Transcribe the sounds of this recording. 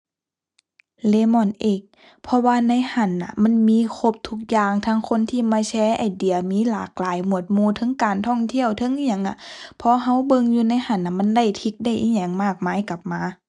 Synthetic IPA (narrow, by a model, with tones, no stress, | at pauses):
leː˧˦mɔ˧˩˨nʔeː˧˨˩k̚ | pʰɔ˧waː˧na˧˥jha˧˥˩nːa̰˧˩ma˧˥˨nmiː˧˥˨kʰo˧˦p̚t̪ʰu˧k̚jaː˧ŋt̪ʰaː˧˥ŋkʰo˧˥˨nt̪ʰiː˧˨maː˧˥t͡ɕʰɛː˧˥ʔa˨˩jdi˨ɐmiː˧˥˨laː˨˩k̚laː˨˦jmu˧˩ət̪̚muː˧˩t̪ʰɤ˧˥ŋkaː˨˩nt̪ʰɔ˧˥˩ŋt̪ʰi˧˥˨əwt̪ʰɤ˧˥ŋ˨ɲa˧˩˦ŋʔa˧˩pʰɔ˧˥ɦa˧˥˨wbɤ˧ŋjuː˧na˧˥˨jha˧˩nʔa˧˨˩ma˧˥nda˧˩jt̪ʰi˧˥k̚da˧˩jʔi˧˥ɲɛ˧˩ŋmaː˧˩k̚maː˧˥jka˧˦p̚maː˧˥